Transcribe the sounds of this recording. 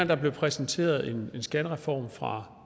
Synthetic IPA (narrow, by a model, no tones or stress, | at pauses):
nd̥ɑ̈b̥le̝pʰʁɛsnt͡sʰe̝̰ːɐð̞ˠe̝ne̝nsɡ̥ænəʁɛfɒ̰ːmfʁɑ̈